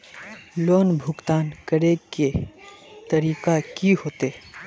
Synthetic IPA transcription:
loːnbʱʊɡt̪aːnkɐɾeke | t̪ɐɾiːkakiɦoːt̪e

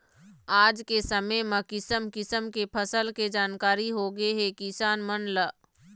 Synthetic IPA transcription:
aːd͡ʒkesəməjməkɪsəmkɪsəmkepʰəsəlked͡ʒaːnkaːɾiɦoɡeɦekɪsaːnmənlə

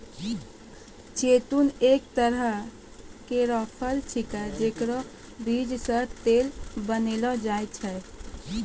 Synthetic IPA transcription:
t͡ʃet̪unek̚t̪əɾə | keɾəpʰəlt͡ʃʰikɛd͡ʒekɾɔ | bʱid͡ʒsəɾt̪elbənelɔd͡ʒajt͡ʃʰɛ

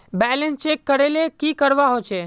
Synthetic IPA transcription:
bɛlənst͡ʃekːəɾelekikəɾʋaɦot͡ʃʰe

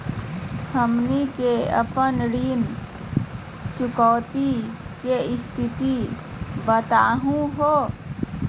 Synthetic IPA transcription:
həmnikeə̰pənɽiːn | sʊkɔːt̪ikeɪst̪ʰɪt̪i | bət̪aːɦũɦoː

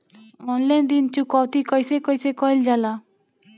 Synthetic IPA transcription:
ɔnland̪int͡ʃukɔwt̪ikɔjsekɔjsekɔjld͡ʒala

